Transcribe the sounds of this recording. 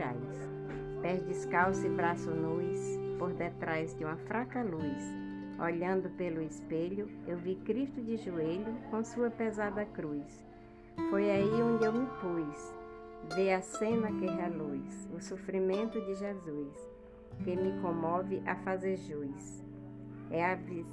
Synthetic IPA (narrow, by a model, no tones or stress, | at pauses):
a̰js | pɛɾd͡ʒɪskawsɪbɾasʊnujspoɾd̪et̪ɾajzd͡ʒɪũmɐfɾakɐlus | o̰ʎɐ̃nd̪ʊpelʊɪspeʎʊewvikɾiʃt̪ʊd͡ʒɪʒueʎʊkõsuɐpezad̪ɐkɾujs | fojaiõnd͡ʒɪewmɪpujs | veɐsẽnɐkeɦɐlujsʊsofɾimẽnt̪ʊd͡ʒɪʒezujs | kemɪkõmɔvɪʔɐfazeɾʒujs | ɛavi